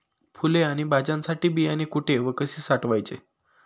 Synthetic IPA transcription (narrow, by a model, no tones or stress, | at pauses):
pʰuleaɽ̃ibad͡ʑãnsaʈiːbijanekuʈʰeʋəkəsiːsaʈʋajt͡sḛ